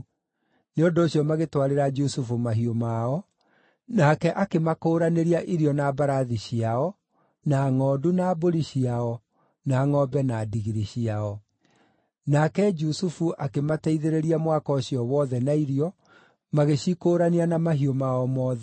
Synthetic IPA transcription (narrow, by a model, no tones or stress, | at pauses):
neondoːɕjɔmaɣetwaɾeɾad͡ʒusufumaɦiomaɔ | nakɛʔakemakoːɾaneɾiaʔiɾiɔnabaɾaðiɕiaɔ | naŋɔːdunaːboɾiɕiaɔ | naːŋɔbɛnadiɣiɾiɕiaɔ | nakɛd͡ʒusufuʔakemataiðeɾeɾiamwakɔɕijɔwɔðɛnaiɾiɔ | maɣeɕikoːɾanianamaɦiomaɔmɔːðɛ